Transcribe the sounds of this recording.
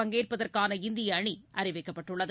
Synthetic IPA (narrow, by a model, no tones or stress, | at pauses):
ɐŋɡeːrpɐðɐrkaːnɐɪnd̪ɪjɐːɳiʔɐrɪʋɐɪkːɐpːɐʈːɯɭːɐð